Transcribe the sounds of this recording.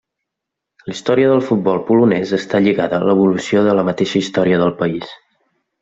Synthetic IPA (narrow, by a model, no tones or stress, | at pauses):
list̪ɔɾiəðəlˠfut̪̚bɔlˠpulunɛzəst̪aʎiɣaðələβ̞ulusioðələmət̪eʃəist̪ɔɾiəðəlˠpəis